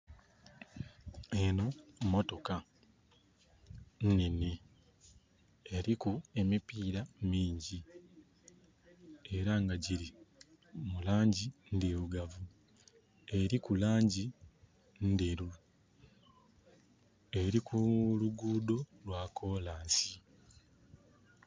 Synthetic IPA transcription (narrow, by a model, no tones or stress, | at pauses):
eno̞mo̞to̞ka | nnene | eɾikue̞mipiːɾamiːɲɟi | e̞ɾaŋɡaɟiɾi | mulaːɲɟindeβuɡavu | e̞ɾikulaːɲɟi | ndeɾu | e̞ɾikʰuluɡuːdo̞lwaːkʰo̞ːlaːsi